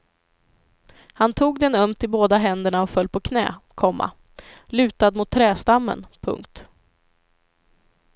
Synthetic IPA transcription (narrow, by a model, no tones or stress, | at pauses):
hant̪ʰuːɡd̪ɛnœmt̪ɪboːd̪aɦɛnd̪əɳaɔfœlːpʰɔkʰnɛ̰ːkʰɔmːa̰ | lʉ̟ːt̪ad̪mʊt̪ʰːɾɛːst̪amːə̰npʰɵ̰ŋk̚t̪